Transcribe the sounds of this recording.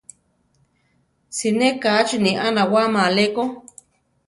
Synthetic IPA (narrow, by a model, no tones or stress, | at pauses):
sinekat͡ʃiniʔanawamaleko